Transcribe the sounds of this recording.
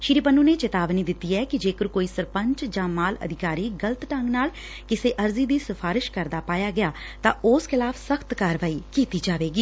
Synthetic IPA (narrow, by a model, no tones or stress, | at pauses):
ʃɪɾiːpənːũːneːt͡ʃɪt̪aːʋniːd̪ɪt̪ːiːɛːkɪd͡ʒeːkəɾkoːiːsəɾpə̃ɲt͡ʃd͡ʒãːmaːlə̰d̪ʱɪkaːɾiːɡələt̪ʈəŋɡnaːl | kɪseːʔəɾziːd̪iːsəpʰaːɾɪʃkəɾd̪aːpaːjaːɡɪjaː | t̪ãːʊskʰɪlaːfʰsəkʰt̪kaːɾʋaːiːkiːt̪iːd͡ʒaːʋeːɡiː